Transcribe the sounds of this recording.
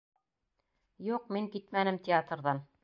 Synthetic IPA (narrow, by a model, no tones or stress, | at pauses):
juq̚miŋkit̪mænɘmtʲɪat̪rðɑn